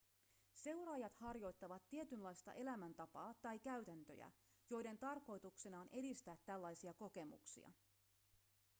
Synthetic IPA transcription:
se̞wɾɑːjɑt̪hɑrjo̞jt̪ːɑʋɑt̪ːiet̪ynlɑjst̪ɑ̰ʔe̞læmænt̪ɑpɑːt̪ɑjkæɥt̪ænt̪ø̞̰jæ̰ | jo̞jde̞nt̪ɑrko̞jt̪uksenɑonʔe̞dist̪æːt̪ːælːɑjsiɑko̞ke̞mṵksḭɑ̰

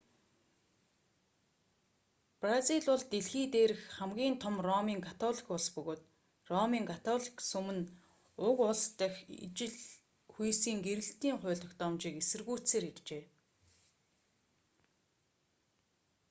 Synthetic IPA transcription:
prasiɮʊɮt̪eɮxiːt̪eːɾɘ̆xχamɡʲiːnt̪ʰɔmrɔmiːŋkʰat̪ʰɔːɮi̥kʊɮspɵɣoːt̪ | rɔmiːŋkʰat̪ʰɔːɮi̥ksɵmɘ̆n | ʊkʊɮst̪æxʲḭt͡ɕɪ̆ɮ | xujsiːŋɡeɾɘ̆ɬt̪iːŋχʊ̟ːɮɞ̆xt̪ɔmt͡ɕiːkesɘ̆rɣuːt͡seːɾirt͡ɕeː

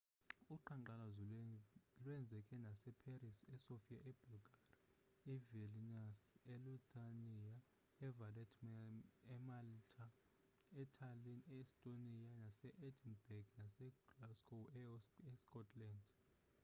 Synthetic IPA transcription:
uǃaǃala | lwɛnd͡zʱɛkʼɛnasɛpʰerisɛsofijaʔɛb̥ʱulɡʱari | ɛvilinasɛlut̪ʼania | ɛvalɛtʰʼmanɛmaltʰʼa | ɛtʰalinɛistʼonianasɛʔedinbɛɡnasɛɡlaskʰʼowɛɛskʼɔtʰland

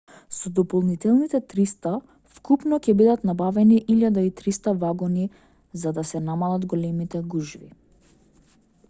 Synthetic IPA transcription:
sɔd̪ɔpɔlˠnit̪ɛlˠnit̪ɛt̪ɾist̪a | fkupnɔcɛbid̪at̪nabavɛniʔilʲjad̪ait̪ɾist̪avaɡɔni | zad̪asɛnamalˠad̪ɡɔlɛmit̪ɛɡuʒvḭ

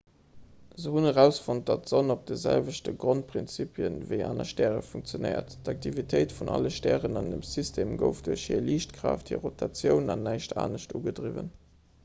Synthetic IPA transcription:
zəhunəʁæʊsfont̚d̥ɑtz̥onop̚d̥əzælvəɕtəɡʁont̚pʰʁint͡sipʰjənvəɪʔaːnɐʃtæːʁəfuŋk̚t͡sjonəɪɐ̰ttɑk̚tʰivitʰəɪtfunʔɑləʃtæːʁənɑndəmsistʰeːmɡə̰ʊfd̥uɐʃhiɐliːɕtkʁɑːfthiɐʁotʰɑt͡sjəʊnɑnːæɪʃtʰa̰ːnəɕtuːɡədʁivə̰n

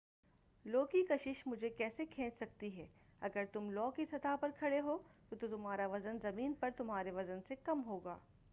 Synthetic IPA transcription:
loːkikɐʃɪʃmʊd͡ʒʱekɛːsekʰẽːt͡ʃsɐk̚t̪iɦɛːɐɡəɾt̪ʊmlɔːkisɐt̪aːpɐɾkʰɐɽeɦoːt̪ot̪ot̪ʊmɦaːɾaʋɐzənzɐmiːnpɐɾt̪ʊmɦaːɾeʋɐzənsekɐmɦoːɡaː

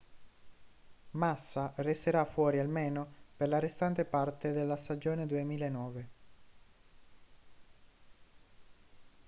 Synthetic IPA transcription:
masːaresːeɾafːwɔːɾialmeːnoperlarest̪ant̪epart̪ed̪elːast̪ad͡ʒoːned̪uemiːlaenːɔːve

